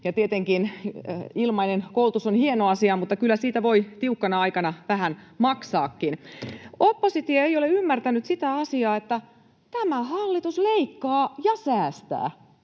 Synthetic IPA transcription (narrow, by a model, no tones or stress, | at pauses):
jɑt̪iet̪eŋkin | ilmɑinenkoult̪usonhienoɑsiɑmut̪ːɑkylːæsiːt̪æʋoit̪iukːɑnɑɑjkɑnɑʋæɦænmɑksɑːkːinopːosit̪iɑejoleymːært̪ænyt̪sit̪æɑsiɑːet̪ːæ | t̪æmæhɑlːit̪usleikːɑːjɑsæːst̪æ̰ː